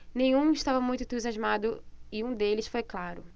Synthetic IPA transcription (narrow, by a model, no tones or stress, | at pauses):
nẽj̃ũɪʃt̪avɐmũj̃t̪ʊɪ̃t̪uziazmad̪ʊɪũd̪elɪsfojklaɾʊ